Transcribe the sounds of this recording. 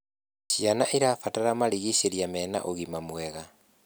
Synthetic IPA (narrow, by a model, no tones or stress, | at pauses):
ɕianaʔiɾafataɾamaɾiɣiɕeɾiamɛːna̰ʔoɣimamwɛɣa